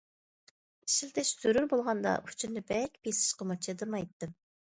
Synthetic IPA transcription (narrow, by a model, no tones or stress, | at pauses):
i̥ʃɪlt̪ɛʃz̥yɾyɾbolˠʁɑnd̪ɑ̰ut͡ʃʰinɪbɛkʲbesɪ̥ʃqɑmɑt͡ʃʰed̪ɨmɑjt̪ːɨm